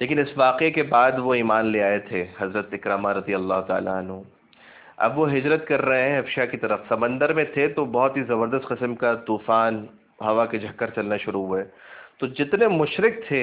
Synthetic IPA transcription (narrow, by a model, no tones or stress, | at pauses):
leːkɪnɪsʋaːqekebaːd̪ʋoiːmaːnleaːet̪ʰeɦɐzɾət̪ɪkɾamaɾɐd̪ijɐlːaːɦʊt̪a̰ːla̰ɐnɦũ | ɐ̰bʋoɦɪd͡ʒɾət̪̚kɐɾːɐɦẽɦɛ̃ɦɐfʃakit̪ɐɾəfsɐmə̃nd̪əɾmẽt̪ʰet̪obɔɦʊt̪ɦizɐbəɾd̪əst̪qɪsmkat̪uːfaːn | ɦɐʋaked͡ʒʱɐkːəɾt͡ʃɐlnaʃʊɾuɦuɛːt̪od͡ʒɪt̪nemʊʃɾɪk̚t̪ʰe